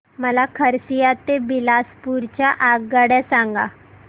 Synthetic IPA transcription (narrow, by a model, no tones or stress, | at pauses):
məlakʰəɾsijat̪ebilaspuɾt͡ɕjaʔaɡːəɽɛsãŋɡa̰